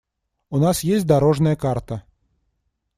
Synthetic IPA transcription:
unasjesʲtʲd̪ɐɾoʐnəjəkart̪ə

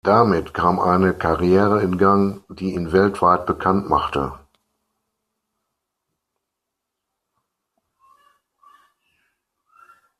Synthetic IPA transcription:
d̥amɪtkʰaːmʔaɪnəkʰaʁijɛːʁəɪnɡaŋd̥iːiːnvɛltv̥aɪt̚b̥əkʰantmaχtə̰

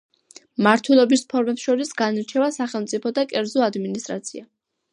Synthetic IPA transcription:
maɾt̪ʰwɛlˠɔbispʰɔɾmɛpsʃɔɾisɡaniɾt͡ʃʰɛvasaχɛlˠmt̪sʼipʰɔd̪akʼɛɾzɔad̪minist̪ʼɾa̰t̪sʰia

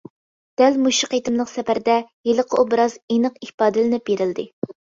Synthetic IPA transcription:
d̪̥ælmuʃiqejt̪ɪmlˠəqsɛpæɾd̪ɛjelˠəqʰəʔubɪɾɑzenɨqihpɑːd̪ɨlɪnɪp̚beɾɪld̪ɪ̰

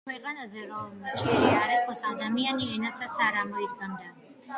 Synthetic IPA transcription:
kʰwɛqʼanazɛɾɔmlmat͡ʃʼɛʃiaɾɛkʰɔsad̪amianiɛnasat̪sʰaɾamɔid̪̚ɡamd̪a

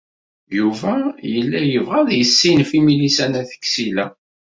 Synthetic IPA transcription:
juvæjəlːæjəvʁæðjəsːinfimilisænæθə̥kːsilæ

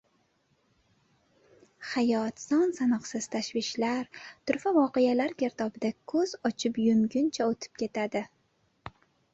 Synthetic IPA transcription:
hajɒt̪sɒnsanɨqsɪz̥t̪ʰaʃvɪʃlaɾt̪ʊɾfavɒqejalaɾɡʲʰe̞ɾt̪ʰɒbɪd̪akʰɵzɒt͡ʃʰɪpjʊmɡʲʊnt͡ʃʰaot̪ʰɪ̥p̚kʲʰe̞t̪ʰad̪ɪ

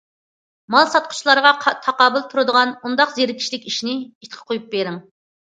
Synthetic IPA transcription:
mɑlˠsɑt̪̚qʰʊ̥t͡ʃʰlˠɑɾʁɑqʰt̪ʰɑqɑːbɨlˠt̪ʰuɾɨd̪əʁɑnund̪ɑqzeɾkʲʰi̥ʃlɪkʲiʃnɪit̪qʰə̥qʰojup̚beɾɪŋ

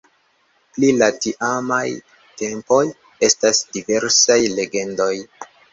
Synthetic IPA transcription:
plilatiʔamaj | te̞mpo̞j | e̞stasdive̞ɾsajle̞ɡe̞ndo̞j

